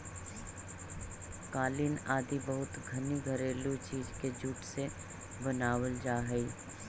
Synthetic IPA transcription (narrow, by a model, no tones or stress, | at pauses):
kaːlɪnaːd̪ibəɦʊt̪ɡʱɐniɡʱəɾeːlut͡ʃiːd͡ʒked͡ʒuːʈse | bənaːwəld͡ʒaːɦəiː